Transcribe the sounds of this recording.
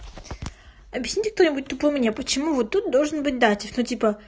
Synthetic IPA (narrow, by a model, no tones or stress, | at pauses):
ɐbʲjɪsʲnʲitʲɪk̚t̪onʲɪbut̚ʲt̪ʊpomʲnʲepət͡ɕɪmuvot̪ːut̪̚d̪olˠʐɨnbɨt̚ʲd̪atʲɪfnotʲipə